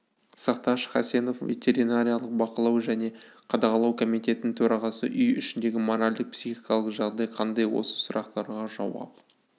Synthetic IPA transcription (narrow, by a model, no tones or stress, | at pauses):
sɑqt̪ɑʃχɑse̞no̞fve̞̰t̪ʰʲe̞ɾinaɾʲijalˠəq̚bɑqəlˠɑwʒæne̞qʰɑd̪ɑʁɑlˠɑwkʰomit̪e̞t̪ɪnɪŋt̪ʰɵɾɑʁɑsə̰ʔʏjʏʃɪnd̪e̞ɡʲɪmoɾalʲd̪ɪq̚psiχikɑlˠəqʒɑʁd̪ɑjqʰɑnd̪ɑjwo̞̰sə̥sʊɾʔɑqt̪ɑɾʁɑʒɑ̰wɑ̰p̚